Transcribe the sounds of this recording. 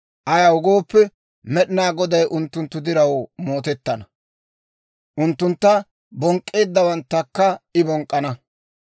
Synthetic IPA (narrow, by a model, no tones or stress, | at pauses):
ʔɐjɐwʊɡo̞ːpːɛ | mɛɗɪnaːɡɔd̪ɐjʔʊnt̪ːʊnt̪ːʊd̪ɪɾɐwmoːt̪ɛt̪ːɐnɐ | ʔʊnt̪ːʊnt̪ːɐ | bɔŋkʼːeːd̪ːɐwɐnt̪ːɐkːɐɪbɔŋkʼːɐnɐ